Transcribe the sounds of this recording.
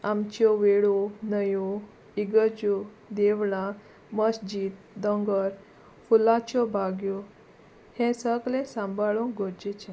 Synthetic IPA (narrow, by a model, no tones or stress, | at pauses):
amt͡ɕɔʋeɽunəju | iɡət͡ɕu | d̪eʋlã | məsd͡ʑiːt̪̚ | d̪ɔ̃ŋɡəɾ | fulãt͡ɕɔbʱaɡjɔ | hɛ̃səɡlẽsãmbʱaɭũŋkɡoɾd͡ʑet͡ɕẽ